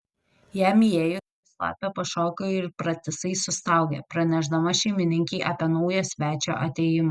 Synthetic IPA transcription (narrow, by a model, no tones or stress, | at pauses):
jæːmʲijeːjʊt̪oslˠɑ̰ːpʲoːpɐʃoːkʲoːɪɾpɾɐt̪ʲɪsɐɪsʊst̪ɑˑʊɡʲɛ̰pɾɐnʲɛʒd̪ɐmɐʃʲɛɪmʲɪnʲɪŋʲkʲiːʔɐpʲiɛnɒʊjoːsʲʋʲæːt͡ʃʲo̰ːʔɐt̪ʲejɪmɐː